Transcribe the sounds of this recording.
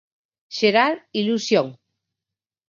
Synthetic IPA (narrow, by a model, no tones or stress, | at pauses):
ʃeɾaɾilusjoŋ